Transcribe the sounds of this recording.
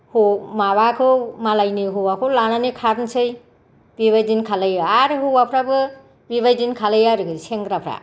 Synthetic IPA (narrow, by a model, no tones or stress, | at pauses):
humaβakʰɯwmalajniɦuwakʰɯwlananikʰaɾnsɯj | biβajzinkʰalɯjaaɾɯɦɯwapʰɾabɯ | biβajdinkʰalɯjaɾɯɡɯseŋɡɾapʰɾa̰